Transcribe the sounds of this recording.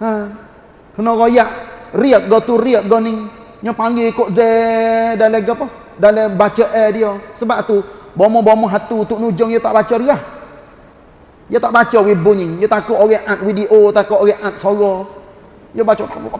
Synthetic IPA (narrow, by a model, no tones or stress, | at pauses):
ə | kənɔɣojaʔriək̚ɡɔt̪uriək̚ɡɔnɪŋ | ɲɔpaŋɡikoʔdɛdaleɡəpɔ | dalɛbat͡ʃəʔɛdijɔsəbaʔt̪ubɔmɔbɔmɔɦat̪ut̪uʔnud͡ʒɔŋjɔt̪aʔbat͡ʃɔɾiah | jɔt̪aʔbat͡ʃɔwibʊnɪŋjot̪akɔʔoɡɛʔat̪̚widiʔot̪akɔʔoɡɛʔat̪̚sɔɣɔ | jobat͡ʃɔa